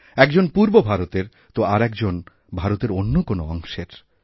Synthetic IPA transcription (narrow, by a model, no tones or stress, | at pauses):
ɛkd͡ʑonpuɾbobʱaɾot̪eɾ | t̪oaɾɛkd͡ʑon | bʱaɾot̪eɾonːokonoɔŋʃeɾ